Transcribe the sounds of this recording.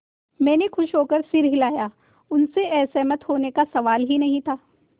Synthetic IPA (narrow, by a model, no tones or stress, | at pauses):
mɛ̃ːnexʊʃɦoːkəɾsɪɾɦɪlaːjaː | ʊnseɛːsemɐt̪ɦoːnekasɐʋaːlɦinɐɦĩt̪ʰaː